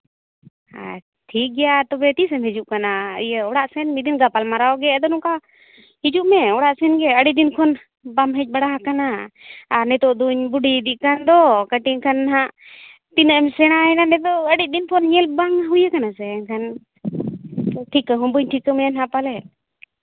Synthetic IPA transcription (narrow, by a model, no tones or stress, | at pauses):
a̰ | ʈʰik̚ɡɛjat̪ɔbɛt̪isɛmhid͡ʒuʔkanaəjəɔɽaʔsɛnmid̪inɡapalmaɾawɡɛɛd̪ɔnuka | hid͡ʒuʔmɛɔɽaʔsɛnɡɛəɖid̪inkʰɔn | bamɦɛc̚ˀbaɽaɦakanaaɾnɛt̪ɔʔd̪uɲbuɖid̪iʔkand̪ɔkəʈikʰanɦaʔ | t̪inəʔɛmsɛɽ̃aɛnanɛt̪ɔəɽit̪̚d̪inkʰɔnɲɛlbaŋɦujəkanasɛŋkʰan | ʈʰikəɦumbuɲʈʰikəmɛanɦãpalɛ